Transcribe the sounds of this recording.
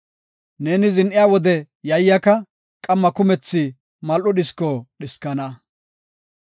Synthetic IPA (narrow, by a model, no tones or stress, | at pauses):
ne̞ːnɪzɪnʔɪjaːwɔd̪ɛ | jɐjːɐkɐ | kʼɐmːɐkʊmɛt͡sːɪ | mɐlʔʊɗɪskɔɗɪskːɐnɐ